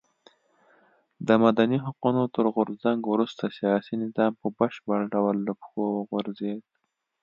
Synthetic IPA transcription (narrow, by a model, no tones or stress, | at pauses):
d̪əmad̪aniɦaqunot̪əɾɣʊɾzaŋɡwɾust̪asijɑsinɪzɑːmpəbəʃbəɽɖawəlːəpxowəɣʊɾzed̪̚